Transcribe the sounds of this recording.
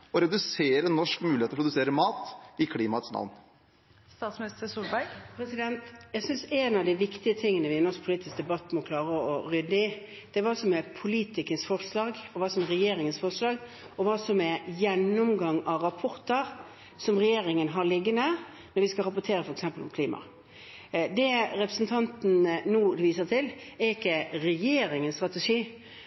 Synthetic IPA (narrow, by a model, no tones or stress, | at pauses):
ɔɾɛd̪ʉseːɾənɔʂkmʉːlɪet̪ːɔpɾʊd̪ʉseːɾəmɑːt̪ɪkʰliːmɑt̪snɑ̰ʋn | st̪ɑːt̪smɪnɪst̪əɾsuːlbæɾɡpʰɾɛsɪd̪ɛnt̪jæɡsʏnsɛnɑʋd̪ɪʋɪkt̪ɪət̪ʰɪŋːənəʋɪɛnɔskpʰliːt̪ɪsk̚d̪ɛbɑt̪ːmɔkʰlɑːɾəɔɾʏd̪ːəɪ | d̪̥ɛʋɑːsɔmɛpʰʊliːt̪ɪkənsfɔɾslɑːɡɔʋɑːsɔmɛɾɛjeːɾɪŋənsfɔɾʂlɑːɡ | ɔʋɑːsɔmɛjɛnːʊmɡɑŋɑʋɾɑpʰɔɾt̪əɾ | sɔmɾɛjeːɾɪŋənɦɑlɪɡːənə | nɔɾʋɪskɑɾɑpʊt̪ʰeːɾəfɔɾɛksɛmpəlɔmkʰliːmɑ̰ | d̪ɛɾɛpɾəsnt̪ʰɑnt̪n̩nuːʋiːsəʁt̪ʰɪlɛɾɪkːəɾɛjeːɾɪŋənst̪ɾɑt̪əʂiː